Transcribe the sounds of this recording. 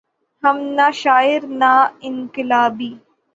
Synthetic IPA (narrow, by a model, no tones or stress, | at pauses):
hɐmnaʃaːɪɾnaɪŋkɪlaːbiː